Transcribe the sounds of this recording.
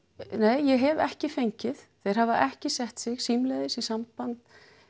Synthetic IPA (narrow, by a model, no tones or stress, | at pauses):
neːjjɛɦɛvɛ̰hcɪfejɲcɪðθejɾ̥havaʔɛhcɪsɛht̪sɪɣsimlɛðɪsisampant̪